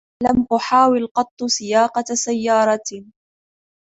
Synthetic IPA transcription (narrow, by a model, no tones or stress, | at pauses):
lamʔʊħaːwɪlqɑt̪ˤːsɪjɑːqɑsajːɑːɾˤɑ